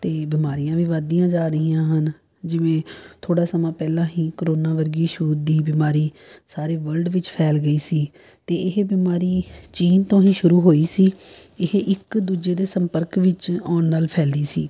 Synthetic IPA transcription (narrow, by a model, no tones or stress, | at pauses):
t̪eːbɪmaːɾijãːʋɪʋaːd̪ijãːd͡ʒaːɾəɦĩːãːɦən | d͡ʒɪʋẽːt̪ʰoːɽaːsəmãːpɛːlãːɦĩːkəɾoːnãːʋəɾɡiːʃuuːd̪iːbɪmaːɾiː | saːɾeːʋəlɖʋɪt͡ʃpʰɛːlɡəiːsiː | t̪eːɪɦbɪmaːɾiːt͡ʃiːnt̪õːɦĩːʃʊɾuːɦoːiːsiːɪɦeʔɪkd̪uːd͡ʒeːd̪eːsəmpəɾkʋɪt͡ʃɔːnːaːlpʰɛːliːsḭː